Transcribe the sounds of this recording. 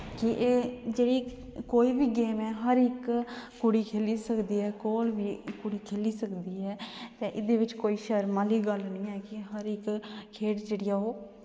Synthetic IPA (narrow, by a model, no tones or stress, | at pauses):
kɪʔeːd͡ʒeːɽiː | koːiːʋiːɡeːmɛːɦəɾɪkː | ʊɽiːkʰeːliːsəkd̪iːɦɛːkoːlʋiːkʊɽiːkʰeːliːsəkd̪iːɦɛːt̪eːʔɪd̪eːʋɪt͡ʃkoːiːʃəɾmaːliːɡəlnĩːɛːkɪɦəɾɪkʰːeːʈd͡ʒeːɽɪjaːoː